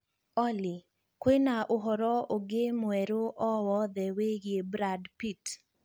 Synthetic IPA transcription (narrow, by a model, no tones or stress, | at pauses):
ɔlɪ | kwenaʔʊɦɔɾɔoɡemwɛɾoʔɔwɔd̪ɛweɡebɾadpit